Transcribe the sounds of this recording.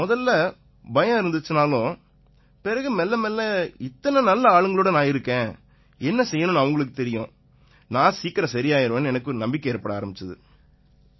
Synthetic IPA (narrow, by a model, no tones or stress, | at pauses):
mɔðɐlːɐ | bɐjɐ̃ɪɾɯnd̪ɯt͡ʃːɯnaːlʊ̃ | pɛɾɐɣɯmɛlːɐmɛlːɛɪt̪ːɐnɐnɐlːɐaːɭɯŋɡɐɭoːɽɐnãːɪɾɯkːẽː | ɛnːɐsɛjːɐnʊ̃nɐʋɐŋɡɐɭɯk̬ːɯt̪ɛɾɪjõ | nãːsiːkːɪɾɐ̃sɐɾɪjaːjɪɾɐʋeːnɛnɐkːɯnɐmbɪkːɐjɛɾɐpːɐɽɐaːɾɐmbɪt͡ʃːɐðɯ